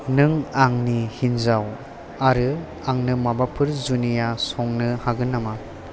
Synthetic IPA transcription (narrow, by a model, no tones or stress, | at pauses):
nɯŋaŋnihinzaw | aɾɯ | aŋnɯmabapʰɯɾzunijasɔŋnɯhaɡɯnːama